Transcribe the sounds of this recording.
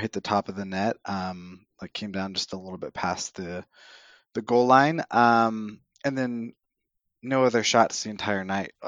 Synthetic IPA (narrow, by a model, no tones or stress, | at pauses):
hɪt̪̚ðɨtʰɑpʌvðɨnɛt̚ʔʌ̃mlaɪkʰẽɪ̃mdãʊ̃nd͡ʒʌstəlɪɾl̩ˠbɪt̚pʰæsðɨ | ðɨɡoʊlˠlãɪ̃nʔʌ̃m | ɨ̃nðɨ̃nː | oʊʌðə˞ʃɑtsðiɨ̃ntʰaɪə˞naɪt̚